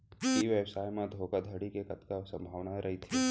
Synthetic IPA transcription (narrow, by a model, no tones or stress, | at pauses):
iʋeːbsaːjmẽd̪ʱoːkad̪ʱɐɽikekɐt̪kasɐ̃mbʱaːʋnaɾɐɦit̪ʰiː